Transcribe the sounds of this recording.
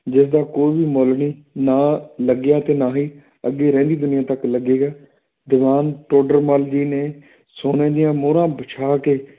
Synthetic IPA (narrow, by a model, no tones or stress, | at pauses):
d͡ʒɪsd̪aːkoːiːbiːmoːlɳiː | naːləɡɪjaːt̪eːnaːɦiː | əɡeːɾɛ̃ːnd̪iːd̪ʊnɪjãːt̪əkləɡeːɡaː | d̪ɪʋaːnʈoːɖəɾmaːld͡ʒiːneː | soːneːd̪ɪjãːmoːɾãːbət͡ʃʰaːkeː